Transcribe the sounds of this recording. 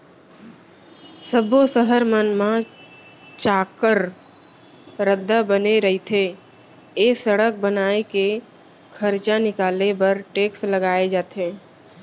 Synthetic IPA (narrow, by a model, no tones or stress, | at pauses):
səbosəɦəɾmənmã | t͡ʃaːkəɾ | ɾəd̪ʱːabəneɾəɦit̪ʰe | eːsəɽək̚bənaːeke | kʰəɾt͡ʃãnɪkaːlepəɾʈeːksləɡaːed͡ʒaːt̪eː